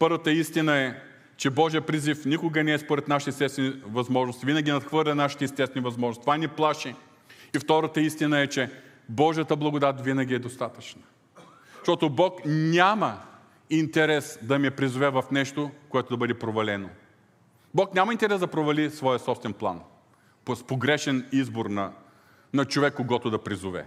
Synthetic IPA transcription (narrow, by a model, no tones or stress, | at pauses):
pɤɾvət̪əist̪inəɛ | t͡ʃɛbɔʒijəpɾizifnʲikʊɡənɛɛspoɾɛt̪naʃit̪ɛsɛst̪ɛnivɐzmɔʒnost̪ivinəɡʲinɐt̪xvɤɾlʲɛnaʃi̥t̪ɛist̪ɛst̪vɛnivɐzmɔʒnst̪ovanʲiplˠaʃi | ift̪ɔɾət̪əist̪inəɛt͡ʃɛ | bɔʒiət̪əblˠɐɡʊd̪at̪vinɐɡʲiɛd̪ost̪at̪ət͡ʃnə | ʃt̪ɔt̪obɔknʲamə | int̪ɛɾɛsd̪ɐmiɛpɾizovɛvɐfnɛʃt̪okoɛt̪od̪ɐbɤd̪ɛpɾovɐlɛno | bɔknʲaməint̪ɛɾɛzd̪ɐpɾovɐlisvɔjəsɔpst̪vɛnplˠa̰n | ppoɡɾɛʃɛnizboɾnɐ | nɐt͡ʃovɛkːoɡɔt̪ʊd̪ɐpɾizovɛ̰